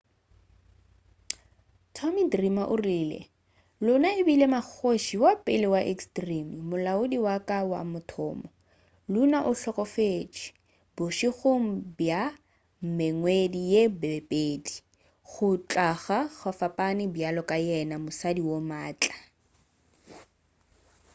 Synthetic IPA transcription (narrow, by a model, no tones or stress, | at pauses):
tʰɔmidrimaʔʊriːlḛ | lʊnaɪbilemak͡xʰoʃiwapʼɪlɪwaʔekstrimmʊlaʊdiwakʼawa̰mʊtʰɔ̰ːmɔ | lunaʔʊɬɔkʼɔfet͡ʃʼi̥ | bʊʃiɣʊm̩bja | m̩meŋwedijebpʼeːdi | χʊt͡ɬʼaχaɣafapʼanɪbjalɔkʼajɛnamʊsadiwomaːt͡ɬʼḁ